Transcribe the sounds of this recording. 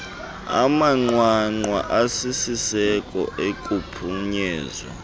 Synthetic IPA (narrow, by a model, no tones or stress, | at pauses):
a̰maŋ͡ǀwaŋ͡ǃwa̰ʔasisisɛkʼɔ̰ekʼupʰuɲɛːzwa̰